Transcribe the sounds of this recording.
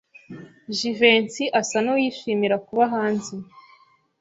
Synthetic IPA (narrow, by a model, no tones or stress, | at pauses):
ʒiveːnsiʔasanowiʃiːmiɾakuβaɦaːnzi